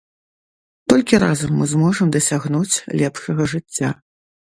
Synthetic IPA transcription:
t̪ɔlʲkʲiɾazɐmːɨzmɔʐɐmd̪ɐsʲaɣnut͡sʲlʲɛpʂɐɣɐʐɨt͡sʲːa

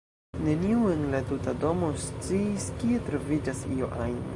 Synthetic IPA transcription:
ne̞niue̞nlatutado̞mo̞st͡siːskie̞t̪ɾovid͡ʒasio̞ʔajn

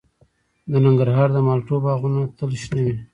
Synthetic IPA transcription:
d̪ənɪŋɡəɾɦɑɾd̪əmɑlʈobɑɣunot̪əlʃnəwi

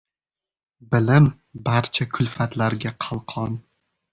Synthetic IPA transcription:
bɪlɪm | baɾt͡ʃʰakʰʊlfat̪laɾɡʲaqʰɑlˠqʰɒn

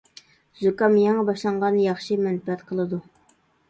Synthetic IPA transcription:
zukɑmjɑŋɑbɑʃlˠɑɴʁɑnjɑχʃɨmɛnfɛt̪qʰəlˠɨd̪u

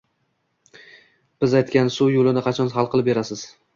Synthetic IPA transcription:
b̥ɪzajt̪kʲansujolɪnɪqʰɑt͡ʃʰɒnɦɑlˠqʰɨlˠɪp̚be̞ɾasɪz̥

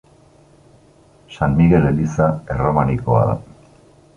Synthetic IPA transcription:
sanmiɣe̞le̞lisae̞ro̞maniko̞a̰ða̰

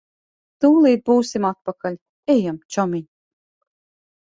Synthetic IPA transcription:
t̪uːlˠiːd̪̚buːsimat̪̚pakalʲ | ɛjamt͡ʃɔmʲiɲ

